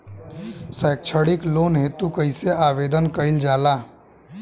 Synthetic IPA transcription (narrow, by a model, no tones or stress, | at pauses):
səːk̚t͡ʃʰəɽɪkloːnɦeːt̪ukəɪseaːʋeːd̪ənkəɪld͡ʒaːlaː